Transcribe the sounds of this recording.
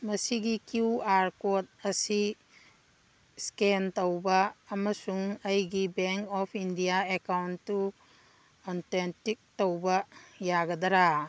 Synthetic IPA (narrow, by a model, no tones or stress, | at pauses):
mɐsiɡikiuwaɾkot̚ɐsi | skentɐwbɐːmɐsuŋɐjɡibeŋkɔpʰindijaekawntːu | antentik̚towbɐjaɡɐdɐɾa